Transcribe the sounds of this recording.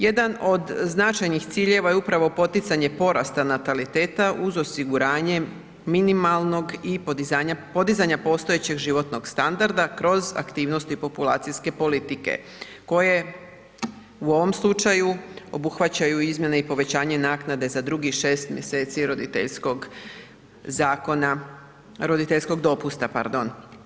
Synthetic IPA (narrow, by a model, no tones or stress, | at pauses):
je̞d̪ano̞d̪znat͡ʃajnixt̪siːʎe̞ʋajeupɾaʋo̞po̞t̪it̪saɲe̞po̞ɾa̰st̪anat̪alit̪e̞ːt̪aʔuzo̞siɡuɾaːɲe̞ | minimalˠno̞ɡiaɲapo̞d̪izaɲapo̞ːst̪o̞et͡ɕe̞ɡʒiʋo̞t̪no̞ɡst̪and̪aɾd̪akɾo̞za̰kt̪iːʋno̞st̪uipo̞pulˠa̰ːt̪siske̞po̞lit̪ike̞̰ | ko̞je̞ | uo̞ʋo̞mslˠut͡ʃajuo̞buxʋat͡ɕajuizmjeneipo̞ʋe̞t͡ɕaːɲe̞naːknad̪e̞zad̪ɾuɡiʃe̞ːst̪mje̞se̞ːt̪siɾod̪it̪ḛʎsko̞ɡ | zaːkona | ɾo̞d̪it̪e̞ʎsko̞ɡd̪o̞pust̪apa̰ɾd̪o̞n